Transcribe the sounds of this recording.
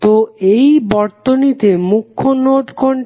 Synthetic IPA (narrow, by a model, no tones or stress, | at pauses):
t̪oejbɔɾt̪onit̪emukʰːonoʈkoɳ